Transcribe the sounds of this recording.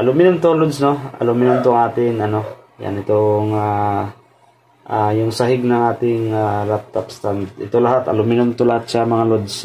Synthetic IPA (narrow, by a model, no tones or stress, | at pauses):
ʔɐlʊmɪnʊmt̪oŋlod̪sno̞ɐ̰lʊmɪnʊmt̪oŋʔaːt̪ɪnɐno̞ | ja̰nɪt̪oŋa | ʔajʊŋsɐɦɪɡ̚nɐŋʔaːt̪ɪŋaɾap̚t̪apst̪ant̪̚ɪt̪olɐɦat̪ɐ̰lʊmɪnʊmt̪olɐhat̪̚ʃamɐŋalod̪s